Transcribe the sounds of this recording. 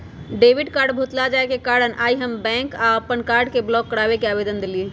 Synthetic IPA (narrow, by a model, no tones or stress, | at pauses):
ɖebiɖkaɾɖbʱut̪lad͡ʒaekekaɾənʔaːiɦəmbɛ̃ŋkaəpənkaɾɖkeblɔkːəɽabekeabed̪ənd̪elie